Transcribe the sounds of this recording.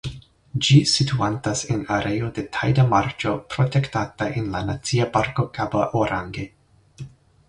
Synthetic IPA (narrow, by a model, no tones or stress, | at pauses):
d͡ʒisituantasenaɾʔe̞o̞de̞tʰajdamaɾt͡ʃo̞pɾo̞te̞ktataʔe̞nlanat͡siapaɾko̞kaba̰ʔoɾaŋɡe